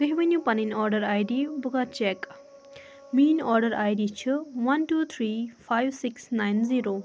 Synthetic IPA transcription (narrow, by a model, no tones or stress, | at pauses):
ɡ̥ɐɦibɐnjupaninɔɾɖɐɾajdibuɡat͡ʃek | minɔɾɖɐɾajdit͡ʃʰɨwantut̪ʰɾipʰajbsiksnajnziɾo